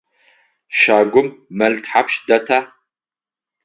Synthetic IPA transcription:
ʃaːɡʷʊmːɐltʰħapʃdɐtʰa

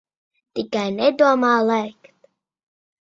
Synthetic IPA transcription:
t̪ikajnɛd̪uɔmaːlˠɛjkt̪

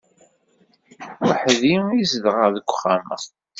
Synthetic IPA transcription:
wəħðiizəðʁəðəkʷːχamə̰

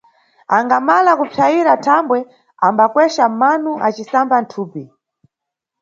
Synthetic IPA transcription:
aŋɡamalakupʰaiɾatʰambwɛ | ambakwɛʃamanuʔat͡ʃisamban̩tʰuːpi

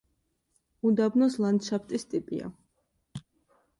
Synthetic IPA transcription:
ud̪abnɔslˠand̪ʃapʰt̪ʼist̪ʼipʼḭa̰

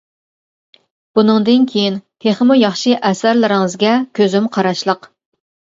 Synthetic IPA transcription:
b̥unɨŋd̪ɨnkʲʰejint̪ʰeχəmujɑχʃɨʔɛsæɾlɪɾɪŋɨzɡʲɛkʲʰøzymqʰɑɾɑʃlˠəq

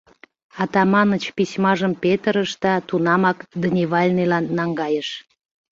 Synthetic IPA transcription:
ɑt̪ɑmɑnət͡ɕpisʲmɑʒəmpet̪əɾəʃd̪ɑt̪unɑmɑkd̪ənʲiβɑlʲnilɑnːɑŋɡɑjəʃ

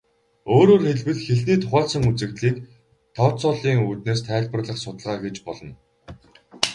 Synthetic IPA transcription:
oːɾoːrxeɮwɘ̆ɮxeɮniːt̪ʰʊχæːɮsə̆ŋut͡sɘ̆kt̪ɮiːk | t̪ʰɔt̪sʊːɮiːŋuːt̪neːst̪ʰæːɮpə̆rɮə̆χsʊt̪ə̆ɮʁaːɡet͡ɕpɔɮɞ̆n

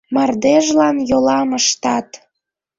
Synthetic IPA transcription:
mɑrd̪eʒlɑnjolɑməʃt̪ɑt̪

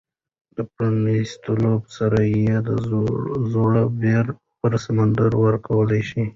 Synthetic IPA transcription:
d̪̥əpɾanist̪əlobsaɾajed̪azoɽabeɾ | pəɾsamand̪aɾwəɾkawəlajʃi

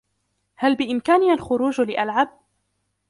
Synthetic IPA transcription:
halbɪʔɪmkaːnɪalxʊɾuːd͡ʒlɪʔalʕab̚

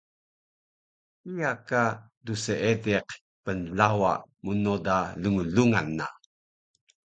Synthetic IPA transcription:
ijaka | duseedeq | pənlawa̰munodaləŋuɮuŋanːa

